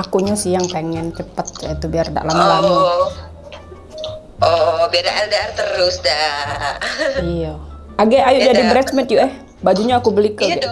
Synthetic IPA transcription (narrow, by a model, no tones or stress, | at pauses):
akuɲasijaŋpeŋɛnt͡ʃəpət̪̚jait̪ubiarda̰ʔlamalami | ɔbedaʔɛldart̪əɾʊsda | ija | aɡaʔajʊʔd͡ʒadibɾɛt͡ʃmɛt̪juʔɛh | bad͡ʒuɲaːkubəlikəɡɛʔ